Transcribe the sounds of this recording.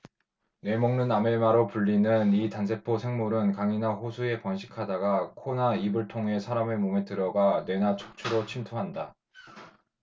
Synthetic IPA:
ne̞moŋnɯnːame̞maɾopuʎːinɯnitansʰe̞pʰosʰe̞ŋmuɾɯnkaŋinaɸosʰue̞pʌnɕʰi̥kʰadaɡakʰonaibɯɭtʰoŋɦe̞sʰaɾamemometɯɾʌɡane̞nat͡ɕʰo̥k̚t͡ɕʰuɾot͡ɕʰintʰoɦanda

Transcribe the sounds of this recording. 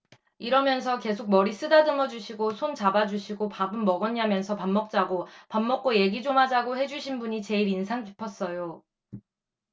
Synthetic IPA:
iɾʌmjʌns̬ʰʌke̞sʰok̚mʌɾis͈ɯdadɯŋʌd͡ʑuɕʰiɡosʰont͡ɕabad͡ʑuɕʰiɡopabɯnmʌɡʌɲːamjʌnsʰʌpanmːʌk̚t͡ɕ͈aɡopamːʌk̚k͈oje̞ɡid͡ʑomɦad͡ʑaɡohe̞d͡ʑuɕʰinbuɲit͡ɕe̞iɾinsʰaŋkipʰʌs͈ʌjo

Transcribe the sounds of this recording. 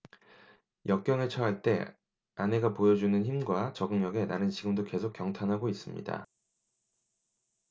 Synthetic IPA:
jʌk̚k͈jʌŋɯɭt͡ɕʰʌɦaɭt͈e̞̰ | ane̞ɡapojʌd͡ʑunɯnçimɡwat͡ɕʌɡɯŋɲʌɡe̞naɾɯnɕʰiɡɯmdoke̞sʰok͈jʌŋtʰanɦaɡois͈ɯmɲḭda̰

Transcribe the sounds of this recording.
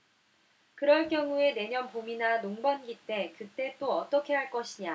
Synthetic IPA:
kɯɾʌɭk͈jʌŋue̞ne̞ɲʌnpominanoŋbʌnɡit͈e̞kɯt͈e̞t͈oʌt͈ʌkʰe̞ɦaɭk͈ʌɕʰiɲa

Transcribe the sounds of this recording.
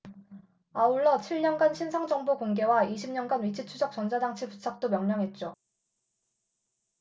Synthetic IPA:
auɭːʌt͡ɕʰiɭɲʌnɡanɕʰinsʰaŋd͡ʑʌŋbokoŋɡe̞waiɕʰimɲʌnɡanɥit͡ɕʰit͡ɕʰud͡ʑʌk̚t͡ɕ͈ʌnsʰadaŋt͡ɕʰiput͡ɕʰak̚t͈omjʌŋɲʌŋɦe̞t̚t͡ɕ͈o

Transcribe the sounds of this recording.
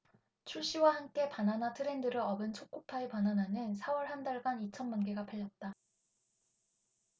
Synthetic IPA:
t͡ɕʰuɭɕ͈iwahamk͈e̞pananatʰɯɾe̞ndɯɾɯɭʌbɯnt͡ɕʰok͈opʰaepanananɯnsʰawʌɭhandaɭɡanit͡ɕʰʌnmanɡe̞ɡapʰaʎːʌt̚t͈a

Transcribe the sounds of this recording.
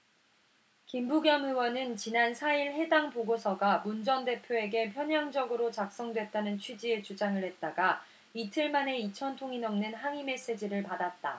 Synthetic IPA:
kimbuɡjʌmɯwʌnɯnt͡ɕinansʰaiɭɦe̞daŋpoɡosʰʌɡamund͡ʑʌnde̞pʰjoe̞ɡe̞pʰjʌɲɦjaŋd͡ʑʌɡɯɾot͡ɕak̚s͈ʌŋdwe̞t̚t͈anɯnt͡ɕʰwid͡ʑie̞t͡ɕud͡ʑaŋɯɭhe̞t̚t͈aɡa | itʰɯɭmane̞it͡ɕʰʌntʰoŋinʌmnɯnɦaŋime̞s͈e̞d͡ʑiɾɯɭpadat̚t͈a

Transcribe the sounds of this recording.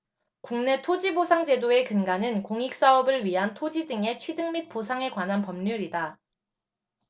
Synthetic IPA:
kuŋne̞tʰod͡ʑibosʰaŋd͡ʑe̞doe̞kɯŋɡanɯnkoŋik̚s͈aʌbɯɭɥiɦantʰod͡ʑidɯŋe̞t͡ɕʰwidɯŋmit̚p͈osʰaŋe̞kwanɦanpʌmɲuɾida

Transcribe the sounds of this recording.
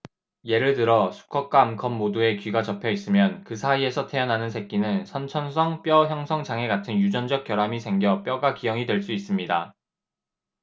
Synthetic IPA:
je̞ɾɯɭtɯɾʌsʰu̥kʰʌk̚k͈aːmkʰʌmːodue̞kɥiɡat͡ɕʌpʰjʌis͈ɯmjʌnkɯsʰaie̞sʰʌtʰe̞ʌnɦanɯnsʰek̚k͈inɯnsʰʌnt͡ɕʰʌnsʰʌŋp͈jʌçjʌŋsʰʌŋd͡ʑaŋe̞ɡatʰɯnjud͡ʑʌnd͡ʑʌk͈̚jʌɾamisʰe̞ŋɡjʌp͈jʌɡakijʌŋidwe̞ɭs͈uis͈ɯmɲida

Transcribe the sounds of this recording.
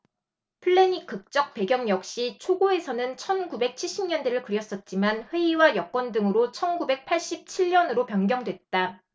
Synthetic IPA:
pʰɯɭːe̞ɲik͈ɯk̚t͡ɕ͈ʌk̚pe̞ɡjʌŋjʌk̚ɕ͈it͡ɕʰoɡoe̞sʰʌnɯnt͡ɕʰʌnɡube̞k̚t͡ɕʰiɭɕ͈imɲʌndeɾɯɭkɯɾjʌs͈ʌt̚t͡ɕ͈imanɸwe̞iwajʌk͈wʌndɯŋɯɾot͡ɕʰʌnɡube̞k̚pʰaɭɕ͈ip̚t͡ɕʰiɭɲʌnɯɾopjʌnɡjʌŋdwe̞t̚t͈a

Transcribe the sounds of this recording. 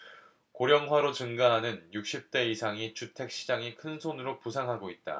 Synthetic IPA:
koɾjʌŋɦwaɾot͡ɕɯŋɡaɦanɯnjuk̚ɕ͈ip̚t͈e̞isʰaŋit͡ɕutʰe̞k̚ɕ͈id͡ʑaŋikʰɯnsʰonɯɾopusʰaŋɦaɡoit̚t͈a̰

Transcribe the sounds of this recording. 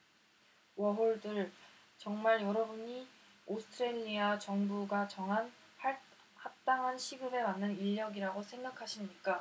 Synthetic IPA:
wʌɦoɭdɯɭ | t͡ɕʌŋmaɭjʌɾʌbuɲi | osʰɯ̥tʰɯɾeʎiat͡ɕʌŋbuɡat͡ɕʌŋɦan | ha | hat͈aŋɦanɕʰiɡɯbe̞manːɯniʎːʌɡiɾaɡosʰe̞ŋɡakʰaɕʰimɲik͈a

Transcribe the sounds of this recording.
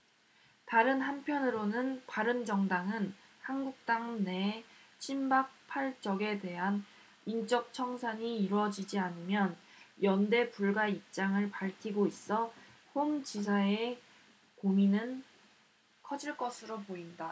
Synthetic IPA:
taɾɯnɦanpʰjʌnɯɾonɯnpaɾɯnd͡ʑʌŋdaŋɯnhanɡuk̚t͈aŋnet͡ɕʰimbak̚pʰaɭt͡ɕ͈ʌɡe̞de̞ɦan | int͡ɕ͈ʌk̚t͡ɕʰʌŋsʰaɲiːɾwʌd͡ʑid͡ʑianɯmjʌn | jʌnde̞puɭɡaip̚t͡ɕ͈aŋɯɭpaɭtʰiɡois͈ʌhomd͡ʑis̬ʰae | kominɯn | kʰʌd͡ʑiɭk͈ʌsʰɯɾopoinda

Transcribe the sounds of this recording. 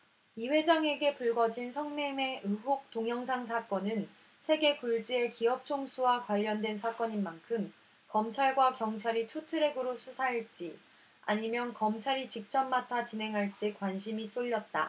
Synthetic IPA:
iɸwe̞d͡ʑaŋe̞ɡe̞puɭɡʌd͡ʑinsʰʌŋneme̞ɯɦok̚t͈oŋjʌŋsʰaŋs̬ʰak͈ʌnɯn | sʰe̞ɡe̞kuɭd͡ʑie̞kiʌp̚t͡ɕʰoŋsʰuwakwaʎːʌndwe̞nsʰak͈ʌɲinmankʰɯm | kʌmt͡ɕʰaɭɡwakjʌŋt͡ɕʰaɾitʰutʰɯɾe̞ɡɯɾosʰusʰaɦiɭt͡ɕ͈i | a̰ɲimjʌnkʌmt͡ɕʰaɾit͡ɕik̚t͡ɕ͈ʌmːatʰat͡ɕinɦe̞ŋɦaɭt͡ɕ͈ikwanɕʰimis͈oʎːʌt̚t͈a̰

